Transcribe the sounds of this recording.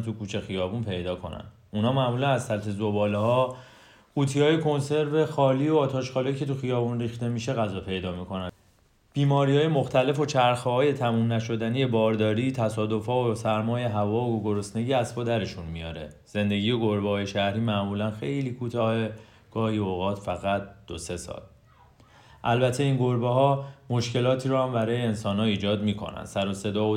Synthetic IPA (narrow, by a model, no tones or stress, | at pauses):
t̪ʰukʰuːt͡ʃʰe̞xijɒːbunpʰe̞jd̪ɒːkʰo̞̰næ̰n | unhɒːmæʔmuːlænæz̥sælt̪ʰe̞zobɒːleɦɒː | uːt̪ʰiɒːje̞kʰo̞nse̞ɾvexɒːliːoɒːt̪ʰɒːʃxɒːlejcʰe̞t̪ʰuxijɒːbunriːxt̪e̞miːʃeɣæzɒːpʰe̞jd̪ɒːmikʰo̞næn | b̥iːmɒːɾihɒːjemo̞xt̪ʰæle̞fo̞t͡ʃʰæɾxɒːje̞t̪ʰæmuːnnæʃo̞d̪ænije̞bɒːɾd̪ɒːɾiːt̪ʰæsɒːd̪o̞fɒːosæɾmɒːje̞ɦævɒːoɡoɡo̞ɾo̞sne̞ɟiæsbɒːd̪æɾe̞ʃunmijɒːɾe̞̰ | z̥e̞nd̪e̞ɡiːje̞ɡoɾbehɒːje̞ʃæhɾiːmæʔmuːlænxe̞jliːkʰuːt̪ʰɒːhe̞ | ɡ̥ɒːhiːoːɣɒːt̪ʰfæɣæt̪̚d̪̥ose̞sɒ̰ːl | ʔælbæt̪ʰe̞iːnɡo̞ɾbeɦɒːmo̞ʃce̞lɒːt̪ʰiːɾuːhæmbæɾɒːjeːnsɒːnhɒːiːd͡ʒɒːd̪miːkʰo̞̰næ̰nd̪̥sæɾose̞d̪ɒːo